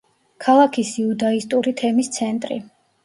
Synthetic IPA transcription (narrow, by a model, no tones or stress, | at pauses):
kʰalˠakʰisiud̪aist̪ʼuɾit̪ʰɛmist̪sʰɛnt̪ʼɾḭ